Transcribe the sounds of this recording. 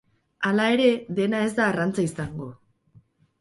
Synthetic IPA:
alae̞ɾe̞ðe̞nae̞zd̪aːrant͡saisaŋɡo̞

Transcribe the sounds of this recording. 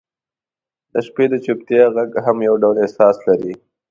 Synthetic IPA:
d̪̥əʃped̪ət͡ʃup̚t̪jaɣaɡɦamjawɖawlɪhsɑːslaɾi

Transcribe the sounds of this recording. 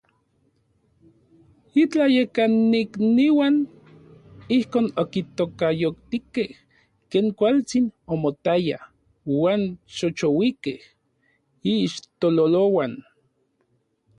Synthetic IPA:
it͡ɬajekanːikniwan | ihkoːnokit̪okajokt̪ikeh | keːŋkʷalt͡sinomot̪aja̰ | waːnʃot͡ʃowikeh | iːʃt̪ololowan

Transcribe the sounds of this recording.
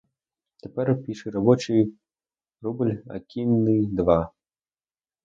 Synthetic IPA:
t̪ɛpʲɛɾpʲiʂɨɾabɔt͡ʃɨj | rubɨlʲa̰kʲinːɨd̪va

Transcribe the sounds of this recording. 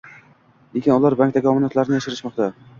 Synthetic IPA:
lekʲɪnʊlˠaɾbaŋk̚t̪aɡʲɪɒmɪnat̪laɾɪnɪjaʃɪɾɪʃmɒq̚t̪a

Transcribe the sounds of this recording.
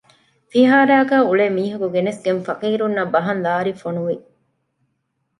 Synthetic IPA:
fiɦaːɾæːɡæːuɭeːmiːɦɐkuɡenesɡenfɐqiːɾunːɐbɐɦɐnlaːɾifonuʋi

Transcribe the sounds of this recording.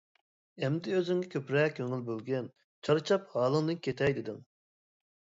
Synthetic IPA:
ɛmd̪ɪøzyŋɡʲɛkʲʰøpɾɛkʲʰːøŋylbølɡʲɛn | t͡ʃʰɑɾɨt͡ʃʰɑphɑːlˠɨŋd̪ɨnkʲʰet̪ʰɛjd̪ɪd̪ɪŋ

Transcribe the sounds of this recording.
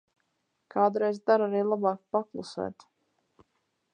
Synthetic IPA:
kʰaːd̪uɾɛjzd̪aɾaɾiːlˠabɑːkpaklˠusæ̰ːt̪

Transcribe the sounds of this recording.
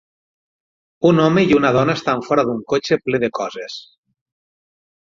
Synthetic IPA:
unɔmeiunað̞ɔnaest̪aɱfɔɾaðuŋkot͡ʃepleðekɔzes

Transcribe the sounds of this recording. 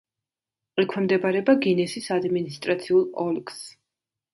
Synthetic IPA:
ʁʼikʰwɛmd̪ɛbaɾɛbaɡinɛsisad̪minist̪ʼɾat̪sʰiulˠɔlɡs

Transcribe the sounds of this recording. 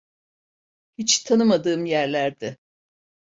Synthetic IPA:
hit͡ʃt̪ʰanɯmad̪ɯːmjæɾlʲæɾd̪ɪ

